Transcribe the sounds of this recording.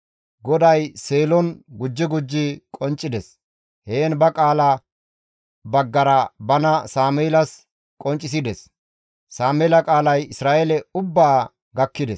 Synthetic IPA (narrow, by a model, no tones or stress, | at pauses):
ɡɔd̪ɐjseːlɔnɡʊd͡ʒːɪɡʊd͡ʒːɪkʼɔnt͡ʃʼːɪd̪ɛs | heːnbɐkʼaːlɐ | bɐɡːɐɾɐbɐnɐsaːmeːlɐs | kʼɔnt͡ʃʼːɪs̬ɪd̪ɛs | saːmeːlɐkʼaːlɐjɪsɾaːʔɛlɛʊbːaː | ɡɐkːɪd̪ɛs